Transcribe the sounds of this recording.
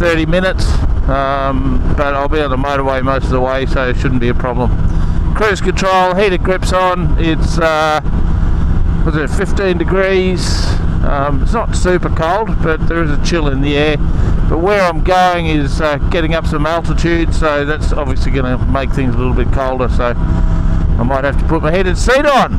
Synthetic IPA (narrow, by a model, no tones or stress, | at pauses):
θɜ˞ɾimɪ̃nɨtsʌ̃mb̥ʌɾaɪlˠbiɨ̃nðəmoʊɾə˞weɪmoʊstʌvðəweɪsoʊɨtʃʊdⁿn̩b̥iɨpʰɹ̥ɑblə̃mkʰɹ̥ʉz̥kɨ̃ntʰɹ̥oʊlˠɦiɾɨt̚ɡ̥ɹɪpsn̩ɪtsʌ | wʌtsɛɨtfɪftĩndɨɡɹiz̥ʌ̃mɪtsnətsʉpə˞kʰoʊlˠd̚b̥ʌt̪̚ðə˞ɨzɨt͡ʃʰɪlˠɪ̃nðiɛɹb̥ʌt̚wə˞ãɪ̃mɡoʊɪ̃ŋɪzʌɡ̥ɛɾɪ̃ŋʌpsʌ̃mælˠtətʰʉd̥soʊðætsɑbviəsliɡʌnəmeɪk̚θɪ̃ŋzəlɪɾl̩ˠbɪt̚kʰoʊlˠdə˞soʊ | aɪmaɪt̚hæftə̥pʰʊt̚maɪhɛɾɨ̃nsiɾn̩